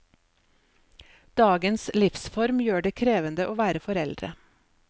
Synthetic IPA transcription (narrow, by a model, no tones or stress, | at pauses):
d̪̥ɑːɡənslɪfsfɔɾmjøːɖeːkʰɾeːʋənd̪əʔoːʋæːɾəfɔɾɛld̪ɾə̰